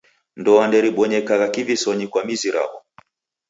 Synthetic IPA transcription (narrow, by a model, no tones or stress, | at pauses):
ndɔandɛɾiɓɔɲɛkaɣakivisɔɲikwamiziɾa̰bɔ